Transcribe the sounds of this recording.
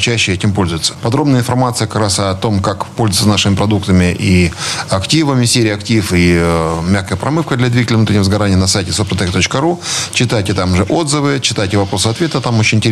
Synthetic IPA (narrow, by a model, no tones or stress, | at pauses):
t͡ɕæɕːɪɛtʲɪmpo̞lʲzʊjʊt̪sə̥pɐd̪ɾo̞bnəjəɪnfɐrmat̪sɨjəkɐ̥kɾasɐt̪o̞mkakpolʲzʊjɪsənaʂɨmʲɪpɾɐd̪ukt̪əmʲɪʔiɐktʲivəmʲɪsʲeɾʲɪjɐktʲifimʲaxkəjəpɾɐmɨfkəd̪lʲɐd̪vʲiɡətʲɪlʲnut̪ɾʲɪnʲːɪvəzɡɐɾanʲɪjənɐsajtʲɪsopɾɐt̪ɛkt̪o̞t͡ɕkəɾut͡ɕɪt̪ajtʲɪt̪amʊʐɛʔo̞d̪zɨvɨt͡ɕɪt̪ajtʲɪvɐpɾo̞sɨfɐt̪vʲet̪ət̪amot͡ɕɪnʲɪnʲtʲɪɾʲ